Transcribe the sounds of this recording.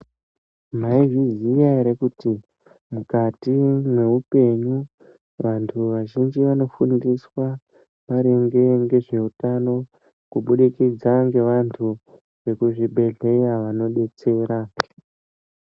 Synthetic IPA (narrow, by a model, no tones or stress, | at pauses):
m̤aivizijaiɾekuti | mukatimwe̞upe̞ɲu | ʋantʰuʋaʒind͡ʒiʋano̞fundiswa | maɾeŋɡe̞ŋɡe̞ʐe̞utano̞ | kuɓuɗikid͡zaŋɡe̞ʋantʰu | ʋe̞kuʐibʱe̞ɮe̞jaʋano̞ɗe̞t͡se̞ːɾa